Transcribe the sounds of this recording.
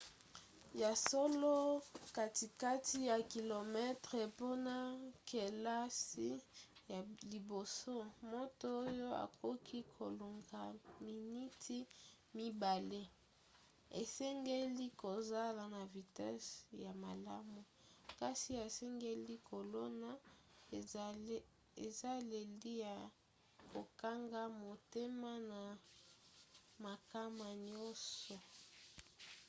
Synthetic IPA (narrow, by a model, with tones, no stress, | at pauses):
ja˨so˦lo˦ka˦ti˨ka˦ti˦ja˨ki˨lo˨mɛ˦tʁe˨po˦na˦ke˨la˦si˦ja˨li˨bo˨so˦mo˦to˦o˦jo˦a̰˨ko˦kʰi˦kʰo˨lo˨ŋɡa˨mi˨ni˦tʰi˦ | mi˦ba˨le˦ | e˨sɛ˦ŋɡe˦li˦ko˨za˦la˨na˨vi˨tɛ˦sja˨ma˨la˦mu˨ka˦si˦a˨sɛ˦ŋɡe˦li˦kʰo˨lo˦na˦ | e˨za˦le˨li˦ja˨ | ko˨ka˦ŋɡa˦mo˨te˦ma˦na˨ | ma˨ka˦ma˨ɲɔ˦sɔ˨